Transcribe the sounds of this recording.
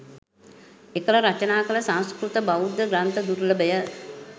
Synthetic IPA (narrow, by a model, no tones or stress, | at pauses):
ekələɾat͡ʃənaːkələsãnskɾut̪əbaud̪əɡɾant̪əd̪uɾləbəjə